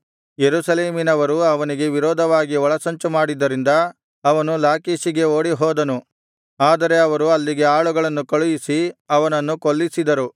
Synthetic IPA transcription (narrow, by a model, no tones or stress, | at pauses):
jeɾuːsɐle̞ːminɐʋɐɾuɐʋɐniɡe̞ʋiɾɔːd̪ʱɐʋaːɡiɔɭɐsɐɲt͡ʃumaːɽid̪ːɐɾind̪ɐ | ɐʋɐnulaːkiːʃiɡe̞oːɽiɦɔːd̪ɐnu | aːd̪ɐɾe̞ɐʋɐɾuɐlːiɡe̞aːɭuɡɐɭɐnːukɐɭujisiɐʋɐnɐnːukoɭːisid̪ɐɾu